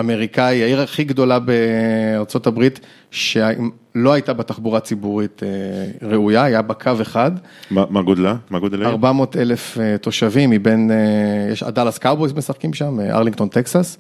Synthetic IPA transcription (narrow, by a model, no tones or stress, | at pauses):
ame̞ʁikaiaiʁaχiɡd̪o̞labeaʁt͡so̞tabʁit | ʃea | loajtabetaχbuʁat͡sibuʁit̪eʁeujaajabakʰave̞χad | mamaɡod̪lamaɡod̪laʁbamo̞ːtelefeto̞ʃavimibenjḛʃa̰dalaskawbojsmesaχkimʃamʔa̰ʁliŋɡkt̪o̞nt̪eksas